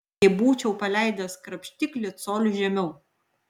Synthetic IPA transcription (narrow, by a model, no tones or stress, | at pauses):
ɛɪbuːt͡ʃʲɛʊpɐlʲæˑɪd̪ɐskɾɐpʲʃʲt̪ʲɪklʲɪt̪soːlʲʊʒʲɛmʲɛʊ